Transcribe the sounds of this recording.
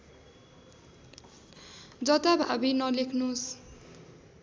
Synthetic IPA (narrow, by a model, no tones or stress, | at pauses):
d͡zʌt̪abʱa̰binʌlekʰnus